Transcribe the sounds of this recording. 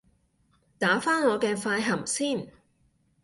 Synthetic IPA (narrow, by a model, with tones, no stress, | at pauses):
t̪aː˨˥faː˥nŋɔː˨˧kɛː˧faː˧jɦɐ˨˩msiː˥˩n